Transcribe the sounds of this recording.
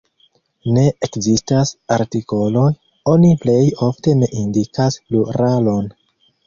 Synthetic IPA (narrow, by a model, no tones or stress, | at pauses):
ne̞ʔekzistasaɾtiko̞lo̞j | o̞niple̞jo̞fte̞ne̞ʔindikasluɾalo̞n